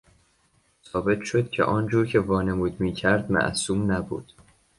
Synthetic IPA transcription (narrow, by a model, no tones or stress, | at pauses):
sɒːbe̞t̪ʰʃo̞d̪̥cʲʰḛʔɒːnd͡ʒuːɾcʰe̞vɒːne̞muːd̪miːcʰæɾd̪̚mæ̰ʔsuːmnæbṵːd̪̥